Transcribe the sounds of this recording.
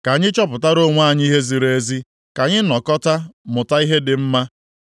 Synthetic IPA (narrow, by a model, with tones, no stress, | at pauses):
ka˨ɲɪ˦t͡ʃɔ˦pʊ˨ta˦ɾo˦˨ŋʷ˦a˦˨ɲ˦i˦ɦe˦zi˨ɾe˦zi˦ | ka˨ɲɪ˦nɔ˨kɔ˦ta˦mʊ˨ta˦i˦ɦe˦dɪ˨m̩˦ma˦